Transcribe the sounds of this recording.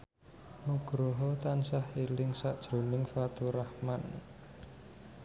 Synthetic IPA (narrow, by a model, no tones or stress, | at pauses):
muɡ̥ɾɔɦɔt̪ansahilɪŋsaʔd̥ʒ̥ɾo̤nɪŋfat̪uɾahman